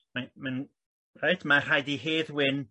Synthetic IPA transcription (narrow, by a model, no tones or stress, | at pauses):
maman | rajtʰmar̥ajdiɦeːðwɪn